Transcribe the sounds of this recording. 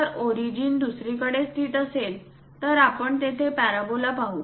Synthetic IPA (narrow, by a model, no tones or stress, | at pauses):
əɾɔɾid͡ʑiːnd̪usɾikəɽest̪ʰiːʈ̪əsel | t̪əɾapəɳt̪et̪ʰepæɾabolapaɦuː